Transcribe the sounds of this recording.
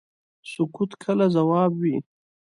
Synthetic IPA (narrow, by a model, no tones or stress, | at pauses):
sʊkut̪kʰəlazawɑːbwi